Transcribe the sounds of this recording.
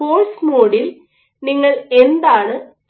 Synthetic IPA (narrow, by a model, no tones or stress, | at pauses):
oːrsmoːɽil | niŋːɐɭend̪aːɳɨ